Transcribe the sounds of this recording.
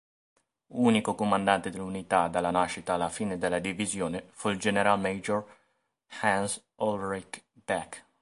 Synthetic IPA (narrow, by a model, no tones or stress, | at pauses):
uːnikokomand̪ant̪ed̪elːunit̪ad̪alːanaʃit̪aːlːafiːned̪elːad̪ivizjoːnefuild͡ʒeneɾalmejd͡ʒor | hans | ɔlɾɛkbɛk